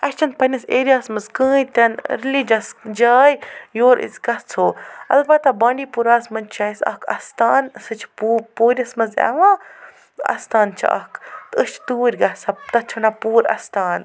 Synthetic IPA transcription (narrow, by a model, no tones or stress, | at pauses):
ɐst͡ʃʰɐn̚pɐnʲiseːɾʲijaːsmɐzkə̃ːjt̪ʲɐnɾilid͡ʒɐsd͡ʒaːjjoːɾʔɨ̰zʲɡɐst͡sʰoːɐ̰lbɐt̪abaːɳɖiːpuɾaːsmɐnt͡ʃʰaisɐ̰kʰɐ̰st̪aːnsɨt͡ʃʰpupoːɾʲɐsmɐzɛ̰ʋãː | ɐ̰st̪aːnt͡ʃʰa̰ʔɐ̰kt̪ɨʃt͡ʃʰt̪uːɾʲɡɐsat̪ɐt͡ʃʰunapuːɾɐ̰st̪aːn